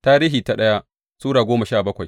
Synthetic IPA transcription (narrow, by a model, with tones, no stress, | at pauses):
taː˦ɾiː˦ɦi˨ta˨ɗɐ˦ja˦ʔ | suː˦ɽaː˨ɡʷoː˦ma˨ʃaː˦˨bɐ˦kʷa˨j